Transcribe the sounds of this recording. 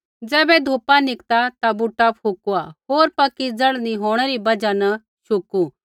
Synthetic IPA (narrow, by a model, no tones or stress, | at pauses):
d͡zɛːbɛd̪ʱoːpanɪkt̪at̪abuʈːapʰukuaɦoːɾpɐkid͡zɐɽniɦoːɽ̃ɛɾibɐd͡ʒanɐ | ʃʰʊku